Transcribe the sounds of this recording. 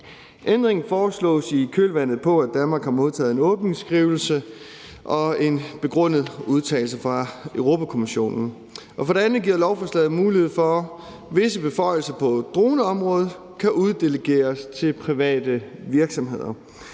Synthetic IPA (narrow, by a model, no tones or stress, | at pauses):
ʔend̥ʁeŋn̩fɒːslɔ̰̽ːsikʰølʋæn̰ð̩ˠpʰɒ̽æd̥ænmɑ̈ːɡ̥hɑ̈moð̞ˠt͡sʰɛ̰ːð̩ˠe̝nɔ̽ːb̥ne̝ŋsɡ̥ʁiʊl̩sə | ʔɒ̽e̝nb̥e̝ɡ̥ʁɔ̽n̰ð̞̩ˠuð̞ˠt͡sʰɛ̰ːl̩s̬əfʁɑ̈øʊʁo̝ːpʰækʰo̝miɕo̝̰ːnn̩ | ʔɒ̽fɒ̽ɾe̝ænð̩ˠɡiɐ̰lɒʊfɒ̽slɛð̞̩ˠmuːlihe̝ð̞̰ˠfɒ | ʋe̝səb̥e̝fɒ̽ɪ̰l̩sɐpʰɒ̽d̥ʁo̝ːnəɒ̽mʁɔ̽ːðˠ | kʰæʔuð̞ˠd̥e̝ləɡ̥e̝̰ːɐst͡sʰe̝lpʰʁiʋɛ̰ːd̥əʋiɐɡ̥sɒ̽mɦe̝ð̞̰ˠɐ